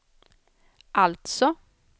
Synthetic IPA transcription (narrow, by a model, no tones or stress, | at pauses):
ʔalt̪sɔ